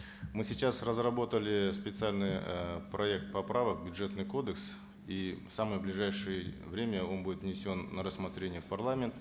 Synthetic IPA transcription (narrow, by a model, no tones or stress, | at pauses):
mɨsʲɪt͡ɕasrəzrɐbo̞t̪əlʲɪspʲɪt̪sɨalʲnɨjpɾɐe̞kt̪̚pɐpɾavək̚bʲʊdʐet̪nɨjko̞d̪əks | ifsamɨjəblʲɪʐajʂɨjə | vɾʲemʲəo̞nbudʲɪt̪vnʲɪsʲo̞nːəɾəsmɐt̪ɾʲenʲɪjət̪pɐrlˠamʲɪnt̪ə